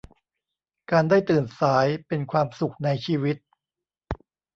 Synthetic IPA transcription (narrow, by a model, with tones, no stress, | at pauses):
kaː˧ndaː˥˩jt̪ɯː˨˩nsaː˩˦jpe˧nkʰwaː˧msu˨˩k̚na˧jt͡ɕʰiː˧wi˦˥t̪̚